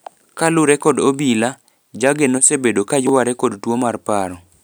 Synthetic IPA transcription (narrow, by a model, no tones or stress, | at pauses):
kalʊɾɛkɔdobila | d͡ʒaɡenosebedokad͡ʒʊwaɾɛkɔdtwomarpaɾɔ